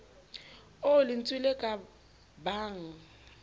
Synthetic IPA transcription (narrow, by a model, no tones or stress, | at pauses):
olin̩t͡sʼilɛkʼa | baːŋ̩